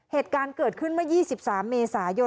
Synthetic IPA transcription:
heː˨˩t̪̚kaː˧nkɤː˨˩t̪̚kʰɯ˥˩nma˥˩jiː˥˩si˨˩p̚saː˩˦mːeː˧saː˩˦jo˧

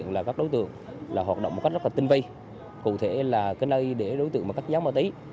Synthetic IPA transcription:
ənlaː˨˩kaː˦˥k̚ɗo˨˦jt̪ɨ̰˧˨əŋ | laː˨˩ɦwaː˨˩t̚ɗə̰˧˨wŋ͡mm̚˨˩kk̚z̚lːaː˨˩t̪i˧ŋvə˧j | kṵ˧˨t̪ʰe˧˩laː˨˩kaː˨˦jnəː˧jɗe˧˩ɗo˨˦t̪ɨ̰˧əŋmaː˨˩kaː˦˥k̚zaː˨˦wməː˧t̪ə˨˦j

